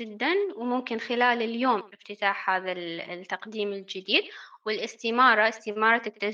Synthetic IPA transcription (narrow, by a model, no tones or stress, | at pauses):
ɪd̪ːanwmʊmkɪnxɪlaːlɪljoːmɪft̪ɪt̪aːħhaːðalt̪ːɑqd̪iːmɪld͡ʒɪd̪iːd̪̚wɪlʔɪst̪imɑːɾˤɑɪst̪imɑːɾˤɑt̪akt̪ːa